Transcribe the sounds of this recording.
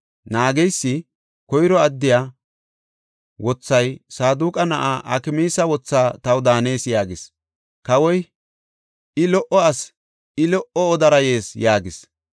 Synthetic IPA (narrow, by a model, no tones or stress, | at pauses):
naːɡɛjsːɪ | kɔjɾɔɐd̪ːɪjaː | wɔt͡sːɐjsaːd̪uːkʼɐnɐʔaːʔɐ̰kɪmiːsɐwɔt͡sːaːt̪ɐwd̪aːneːsjaːɡɪs | kɐwɔj | ɪlɔʔɔɐs | ɪlɔʔɔːd̪ɐɾɐjeːsjaːɡɪs